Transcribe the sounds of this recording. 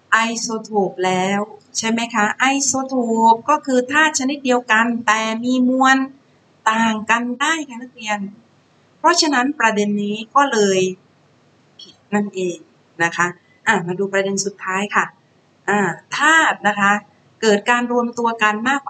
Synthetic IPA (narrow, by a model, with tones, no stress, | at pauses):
ʔa˧jsoː˧t̪ʰoː˨˩p̚lɛː˦˥wt͡ɕʰa˥˩jma˦˥jkʰa˦˥ʔa˧jsoː˧t̪ʰoː˨˩p̚kɔː˥˩kʰɯː˧t̪ʰaː˥˩t̪̚t͡ɕʰa˧ni˦˥t̪̚di˧əwka˧nt̪ɛː˨˩miː˧mu˧ən | t̪aː˨˩ŋka˧ndaː˥˩jkʰa˧˩na˦˥k̚li˧ən | pʰɾɔ˦˥t͡ɕʰa˧na˦˥npɾa˧de˧nːiː˦˥kɔː˥˩lɤː˧j | pʰi˩˦t̪̚na˥˩ŋʔeː˨˧ŋ̚ | na˦˥kʰa˦˥ | ʔaː˨˧˩maː˧duː˧pɾa˧de˧nsu˨˩t̪ʰːaː˦˥jkʰa˥˩ | ʔaː˧˩t̪ʰaː˥˩t̪̚na˦˥kʰa˦˥ | kɤː˨˩t̪̚kaː˧nɾu˧əmt̪u˧ɐka˧nmaː˥˩k̚w